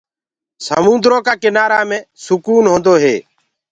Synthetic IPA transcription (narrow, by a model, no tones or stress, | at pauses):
sə̰mũːnd̪ɾoːkaːkɪnaːɾaːmẽːsʊkuːnɦõːnd̪oːɦḛː